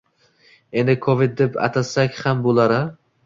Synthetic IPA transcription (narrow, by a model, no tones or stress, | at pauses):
e̞nd̪ɪkʰovid̪̚d̪ːepa̰t̪ʰasakʲhambolˠaɾɪ